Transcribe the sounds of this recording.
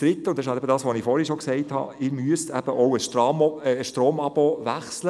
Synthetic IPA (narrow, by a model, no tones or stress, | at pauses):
d̥ɾɪt̪ːəʊnd̥ɛɪʃhɑltɛbədɑːsʋonɪfɔːɾhiʃɔksɛɪthɑ̰ɪːɾmyəstæb̥əʔɔʊəʃtɾomːʃtɾoːmɑb̥oʋæχslə